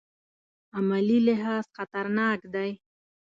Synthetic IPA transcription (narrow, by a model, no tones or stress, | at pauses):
amalilɪɦɑzxat̪aɾnɑːkd̪aj